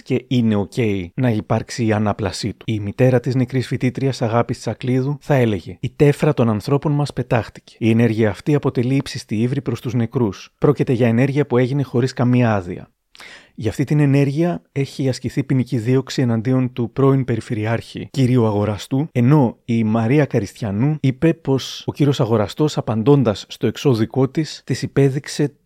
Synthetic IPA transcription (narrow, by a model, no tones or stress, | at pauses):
ce̞ine̞o̞ce̞inɐipɐɾksiːɐnɐplɐsit̪u̥imit̪e̞ɾɐt̪izne̞kɾisfit̪it̪ɾiɐsɐɣɐpist̪i̥sɐkliðuθɐe̞le̞ʝe̞it̪e̞fɾɐt̪o̞nɐnθɾo̞po̞nmɐspe̞t̪ɐxt̪i̥ce̥ie̞ne̞ɾʝiɐːft̪iɐpo̞t̪e̞liipsist̪iivɾipɾo̞st̪uzne̞kɾuspɾo̞cit̪e̞ʝɐene̞ɾʝiɐpue̞ʝine̞xo̞ɾiskɐmiɐɐðḭɐ̰ | ʝɐft̪it̪ine̞ne̞ɾʝiɐe̞çiɐsciθipiniciðio̞ksie̞nɐnd̪io̞nt̪upɾo̞inpe̞ɾife̞ɾiɐɾçḭciɾioɐɣo̞ɾɐst̪ue̞no̞imɐɾiɐkɐɾist̪çɐnuipe̞po̞so̞ciɾio̞sɐɣo̞ɾɐst̪o̞sɐpɐnd̪o̞nd̪ɐsːt̪o̞e̞kso̞ðiko̞t̪ist̪isipe̞ðikse̞